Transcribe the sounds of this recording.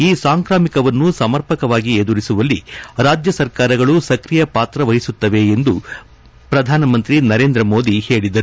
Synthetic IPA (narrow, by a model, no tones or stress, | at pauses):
iːsaːŋkɾaːmikɐʋɐnːusɐmɐɾpɐkɐʋaːɡied̪uɾisuʋɐlːiɾaːd͡ʒjɐsɐɾkaːɾɐɡɐɭusɐkɾijɐpaːt̪ɾɐʋɐɦisut̪ːɐʋe̞end̪u | pɾɐd̪ʱaːnɐmɐnt̪ɾinɐɾe̞ːnd̪ɾɐmo̞ːd̪ihe̞ːɭid̪ɐɾu